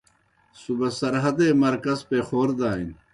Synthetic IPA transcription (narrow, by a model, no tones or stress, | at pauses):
subɐsɐɾɦɐd̪eːmɐɾkɐzpexoːɾd̪aːin